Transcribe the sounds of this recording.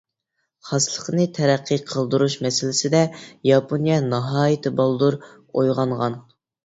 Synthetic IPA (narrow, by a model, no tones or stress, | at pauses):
χɑslˠəqnɨt̪ʰɛɾæqːəqʰəlˠd̪uɾuʃmɛsɪlɪsɪd̪ɛjɑpʰonijɛnɑɦɑːjɪt̪ʰɪbɑlˠd̪uɾ | ojʁɑɴʁɑn